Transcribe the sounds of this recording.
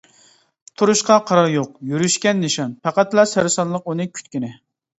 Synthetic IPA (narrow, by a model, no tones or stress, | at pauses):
t̪ʰuɾuʃqɑqʰɑɾɑɾjoqjyɾyʃkʲɛnːɪʃɑnpʰæqæt̪lˠɑsæɾsɑnlˠəqunɨkʲʰy̥t̪kʲinɪ